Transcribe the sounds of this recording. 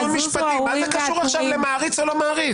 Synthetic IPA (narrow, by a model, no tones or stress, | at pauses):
miʃpat̪imazekaʃuʁaʃavlemaːʁit͡solomaːʁi